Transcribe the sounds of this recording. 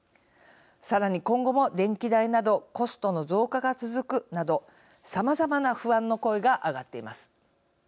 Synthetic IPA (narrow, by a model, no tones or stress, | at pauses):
saɾaɲ̟ikõ̞ŋɡo̞mo̞d̪ẽ̞ŋkʲid̪ainad̪o̞ko̞sɨ̥t̪o̞no̞zo̞ːkaɡat͡sɨzɨkɯ̟nad̪o̞ | samazamanaɸɯ̟βãnːo̞ko̞eɡaʔaɡat̪ːe̞imasɨ̥